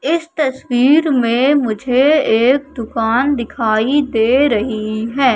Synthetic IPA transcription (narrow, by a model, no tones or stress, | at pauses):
ɪst̪ɐswiːɾmẽmʊd͡ʒʱeeːk̚d̪ʊkaːnd̪ɪkʰaːid̪eːɾɐɦiɦɛː